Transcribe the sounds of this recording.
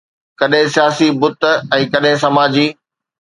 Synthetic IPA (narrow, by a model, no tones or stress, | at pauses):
kɐɗɦɪ̃sijaːsibʊt̪̆ɛ̃ːkɐɗɦɪ̃sɐmaːd͡ʑiː